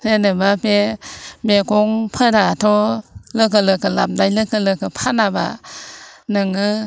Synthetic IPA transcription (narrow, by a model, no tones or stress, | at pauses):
penɯbapemekɔŋpʰədatʰɔlɯk̬ɯlɯkɯlam̚dajlɯkɯlɯkɯpʰanaba̰ | nɯŋɯ